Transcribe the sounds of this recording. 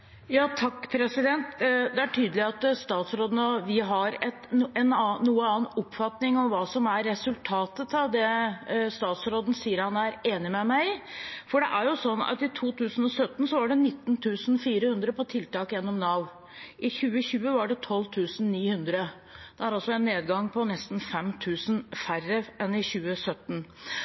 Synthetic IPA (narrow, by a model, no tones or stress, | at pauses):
jɑːt̪ʰɑkːpʰɾɛsɪd̪ɛnt̪d̪ɛæʈʰyːd̪əlɪɑt̪st̪ɑːt̪sɾoːd̪ənəɔʋɪɦɑɾɛt̪ɛnnːuːəɑːnɔpːfɑt̪nɪŋɔmʋɑːsɔmæɾːɛsʉlt̪ʰɑːt̪ət̪ɑʋd̪ɛst̪ɑːt̪sɾoːd̪ən̩siːəɾhɑnæɾeːnɪmɛmæɪfɔɖɛʔæɾjʊsɔnːɑ̰t̪ɪt̪ʰuːt̪ʰʉːsən̩ɔsœt̪ːn̩sɔʋɑɖɛnɪt̪ːnt̪ʰʉːsn̩fiːɾəhʉnd̪ɾəpɔt̪ʰɪlt̪ɑːkjɛnːɔmnɑʋ | ʔɪçʉːəçʉːəʋɑɖɛt̪ʰɔlːt̪ʰʉːsn̩niːhʉnd̪ɾə | d̪̥ɛæɾɑlsɔɛnːeːd̪ɡɑŋpʰɔnɛst̪n̩fɛmt̪ʰʉːsnfærəʔɛnɪçʉːəsœt̪ːn̩